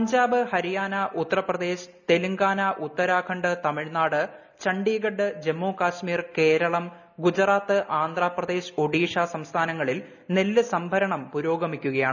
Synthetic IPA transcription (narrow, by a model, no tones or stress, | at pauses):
pɐɲd͡ʑaːbɨhɐɾijaːnɐʔut̪ːɐrɐprɐd̪e̞ːɕɨ̥t̪e̞luŋɡaːnɐʔut̪ːɐɾaːkʰɐɳɖɨt̪ɐmiɻnaːɽɨ | t͡ɕɐɳɖiːɡɐɖːɨd͡ʑe̞mːoːkaːɕmiːrke̞ːɾɐɭɐm | ɡud͡ʑɐraːt̪ːɨʔaːnd̪raːprɐd̪e̞ːɕɐ̥o̞ɖiːʂaːsɐmst̪ʰaːnɐŋːɐɭil | ne̞lːɨsɐmbʱɐɾɐɳɐmpuɾo̞ːɡɐmikʲːuɣɐjaːɳ